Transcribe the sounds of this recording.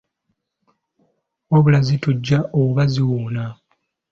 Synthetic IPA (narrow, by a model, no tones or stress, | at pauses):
oβulazituɟːaʔoβaziwuːna